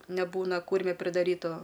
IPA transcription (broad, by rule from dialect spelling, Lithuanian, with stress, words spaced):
nʲɛˈbuːnɐ ˈkuːrʲmʲɛ pʲrʲɪdɐˈrʲiːtʊ